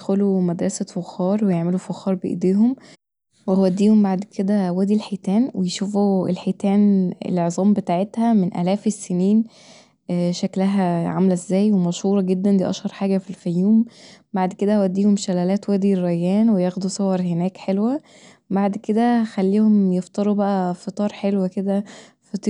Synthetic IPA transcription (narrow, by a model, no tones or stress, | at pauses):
xolumæd̪ɾˤɑsæfoxːɑːɾˤwejeʕmelufoxːɑːɾˤbeʔḛd̪eːɦom | wewæd̪ːiːhombaʕd̪kʰed̪æwæːd̪ilħet̪æːnwejʃuːfuḛlħet̪æːnḛleʕzˤɑːmbet̪aːʕet̪hæmenʔæ̰læːfesːeniːn | ʃæklæɦæʕamlezːæːjwemɑʃhuːɾˤɑɡed̪ːænd̪ḭʔæ̰ʃhɑɾˤħaːɡæfilfæjːuːm | baʕd̪ked̪æhwæd̪ːiːhomʃælælæːt̪wæːd̪irːæjːæːnwejæxd̪usˤowɑɾˤhenæːkħelwæ | baʕd̪ked̪æxælːiːhomjeft̪ˤɑɾˤubæʔæfet̪ˤɑːɾˤħelwæked̪æ | fet̪ˤː